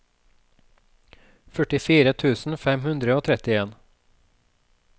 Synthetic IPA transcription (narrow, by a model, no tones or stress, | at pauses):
fœʈɪfiːɾət̪ʰʉːsn̩fɛmhʉnd̪ɾəoːt̪ʰɾɛt̪ɪeːn